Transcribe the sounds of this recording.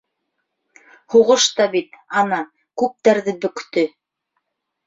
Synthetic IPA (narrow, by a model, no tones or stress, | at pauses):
huʁɤʃt̪ɑbit̪ɑnɑ | kʉp̚t̪æɾðɘbɵ̆kt̪ɵ